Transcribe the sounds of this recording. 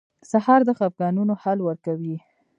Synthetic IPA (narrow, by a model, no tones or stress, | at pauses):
sahɑɾd̪əxafɡɑnunohalwəɾkawi